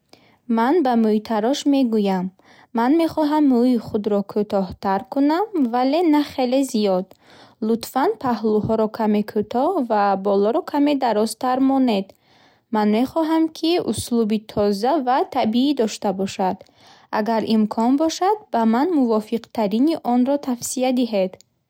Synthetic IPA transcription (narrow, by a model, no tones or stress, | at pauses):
manbamujt̪ʰaɾɔʃme̞ɡujamː | anme̞χɔɦamːuiχud̪ɾɔkʰut̪ɔht̪aɾkunamvale̞naχe̞le̞zijɔd̪ | lut̪fanpʰaɦluhɔɾɔkʰame̞kʰut̪ʰɔvabɔlɔɾɔkʰame̞d̪aɾɔzt̪ʰaɾmɔne̞d̪ | manme̞χɔɦamkʰiṵslubit̪ʰɔzavat̪ʰabiid̪ɔʃt̪abɔʃad̪̥ | ʔaɡaɾimkʰɔnbɔʃad̪̚bamanmuvɔfiqt̪ʰaɾiniʔɔnɾɔt̪ʰafsiad̪iɦed̪